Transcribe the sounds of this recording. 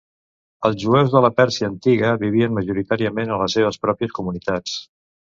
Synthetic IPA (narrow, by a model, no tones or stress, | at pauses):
əlˠzʒuɛwzðələpɛɾsiəːnt̪iɣəβiβ̞iənməʒuɾit̪aɾiəmenənləseβ̞əspɾɔpiəskumunit̪at͡s